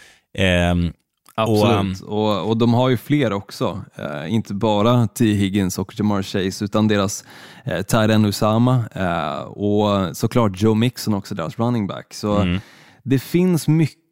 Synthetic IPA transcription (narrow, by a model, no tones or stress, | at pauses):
abslʉːt̪ɔɔd̪ɔmɦaɾjɵfleːɾɔksɔ̰ɪnt̪ʰəbɑːɾat̪ʰiːɦɪɡənsɔkd͡ʒɛmɑɾɕɛɪsʉ̟ːt̪and̪eːɾast̪ʰæːɾɛnːʉsamːa̰ | ɔsɔkʰlɑːʈ̚d͡ʒoʊmɪksɔnɔksɔd̪ḛːɾasɾanːɪŋbæ̰kːsɔ | d̪ɛfɪnsmʏ